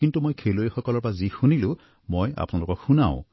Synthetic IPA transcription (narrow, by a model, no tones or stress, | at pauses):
kintumojkʰelojxɔkɔlɔɹpazixunilʊ̃ | moja̰pʊnalʊkɔxuna̰ʊ̰̃